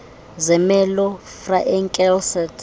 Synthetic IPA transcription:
zɛmɛlɔfraʔɛŋkʼɛlsɛt

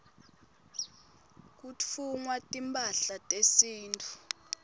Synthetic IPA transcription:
k̬ut͡fʰuŋwatʼimpʰʼaɬatʼesiːntʰʼu̥

